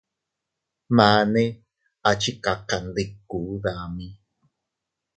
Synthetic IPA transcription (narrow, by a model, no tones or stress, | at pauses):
maːne | at͡ʃikaqand̪ekːuðami